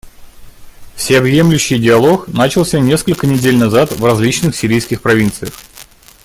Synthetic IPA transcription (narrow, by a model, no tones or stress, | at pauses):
fsʲɪɐbje̞mlʲʉɕːɪjdʲɪɐlˠo̞knat͡ɕɪlˠsʲənʲe̞skəlʲkənʲɪdʲelʲnɐzat̪vrɐzʲlʲit͡ɕnɨxsʲɪɾʲijskʲɪxpɾɐvʲint̪sɨjəx